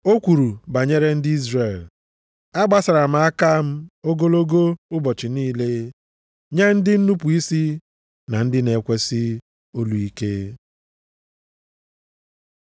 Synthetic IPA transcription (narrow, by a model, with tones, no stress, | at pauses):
o˦kʷu˨ɾu˨ba˨ɲe˦ɾe˦n̩˦dɪ˦i˦zre˨l | a˦ɡ͡ba˦sa˨ɾa˨m̩˨a˦ka˦m̩˦o˦ɡo˦lo˦ɡo˦ʊ˦bɔ˨t͡ʃɪ˨niː˦le˦ | ɲe˦n̩˦dɪ˦n̩˦nu˦pu˨i˦si˦ | na˨n̩˦dɪ˦ne˨kʷe˦sɪ˦ | o˦lu˨i˦ke˦